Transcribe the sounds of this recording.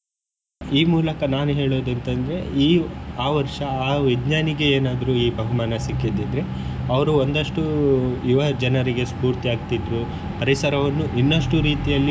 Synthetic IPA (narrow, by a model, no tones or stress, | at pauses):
iːmuːlɐkɐnaːnuɦe̞ːɭoːd̪ɐnt̪ɐnd̪ɾe̞iːaːʋɐɾʂɐaːʋiɡɲaːniɡe̞eːnaːd̪ɐɾuiːbʱɐɦumaːnɐsikːid̪id̪ɾe | ɐʋɐɾuo̞nd̪ɐʂʈuiʋɐd͡ʒɐnɐɾiɡe̞spuːɾt̪iaːɡ̚t̪id̪ɾu | pɐɾisɐɾɐʋɐnːuʔinːɐʂʈuɾiːt̪ijɐlːi